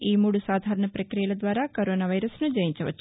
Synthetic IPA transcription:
iːmuːɽusaːd̪ʱaːɾɐɳɐpɾɐkɾijɐlɐd̪ʋaːɾɐkoɾoːnaːʋɐjɾɐsnud͡ʒɐjiɲt͡ʃɐʋɐ̰t͡ʃː

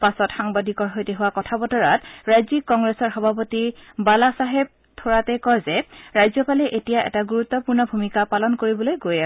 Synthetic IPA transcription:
pasɔtxaŋbadʱikɔɹɦojtɛɦʊwakɔtʰabɔtɔɹatɹajzikːɔŋɡɹesɔɹxɔbʱapotibalasaɦeb̚ | tʰoɹatɛkɔjzɛɹajzɔpalɛʔetijaʔɛ̰taɡuɹut̪ːɔpuɹnɔbʱumikapalɔnkoɹibɔlojɡojaɛ

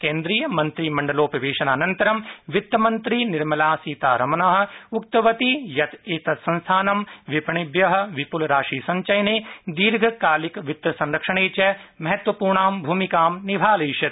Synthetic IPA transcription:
kẽːnd̪ɾiːjɐmɐnt̪ɾiːmɐɳɖɐloːpɾɐʋeːʃɐnaːnɐnt̪ɐɾɐmʋɪt̪ːɐmɐnt̪ɾiːniɾmɐlaːsiːt̪aːɾɐmɐnaɦɐ̆uk̚t̪ɐʋɐt̪ijɐt̪eːt̪ɐt̪sɐ̃nst̪ʰaːnɐmʋipɐɳibjɐɦɐ̆ʋipulɐɾaːʃiːsɐɲt͡ʃɐjneːd̪iːɾɡʱɐkaːlikʋɪt̪ːjɐsɐ̃nɾɐkʂɐɳeːt͡ʃɐmɐɦɐt̪ʋɐpuːɾɳaːmbʱuːmikaːmnibʱaːleːʃɐt̪

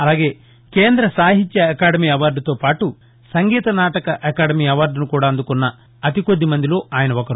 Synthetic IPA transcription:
ɐlaːɡe̞ː | keːnd̪ɾɐsaːɦit̪jɐɐkaːɖɐmiːɐʋaːɾɖut̪o̞ːpaːʈu | sɐŋɡiːt̪ɐnaːʈɐkɐʔɐkaːɖɐmiːɐʋaːɾɖunukuːɽaːɐnd̪ukunːɐː | t̪iko̞d̪ːimɐnd̪ilo̞ːaːjɐnɐɔkɐɾu

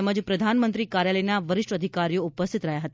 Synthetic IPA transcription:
məd͡ʒpɾəd̪ʱanmənt̪ɾikaɾjaləjnaʋəɾɪʂʈəd̪ʱikaɾijoupəst̪ʰit̪ɾəɦjaɦət̪a

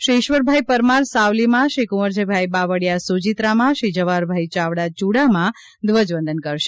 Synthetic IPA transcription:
ʃɾiɪʃʋəɾbʱajpəɾmaɾsawlimãʃikuməɾd͡ʒebʱajbaʋəɽjasud͡ʒit̪ɾamãʃid͡ʒəʋaɾbʱajt͡ʃaʋɽat͡ʃuɽamã | d̪ʋəd͡ʒʋə̃nd̪ənkəɾʃe̥

